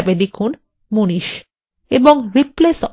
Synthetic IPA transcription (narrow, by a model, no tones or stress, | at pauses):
bed̪ekʰun | muniʃ | eboŋɾiples